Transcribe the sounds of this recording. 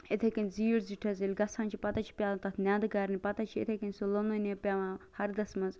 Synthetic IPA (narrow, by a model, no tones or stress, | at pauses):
et̪ʰekinziːɾziʈʰɐzelʲɡɐsãːnt͡ʃʰipɐt̪ɐt͡ʃʰi̥pʲjaːlɐt̪ɐt̪ʰnʲaːd̪ɨɡɐɾnipɐt̪ɐt͡ʃʰiḛt̪ʰekinʲsolononepʲaːʋãːhɐɾd̪ɐsmɐz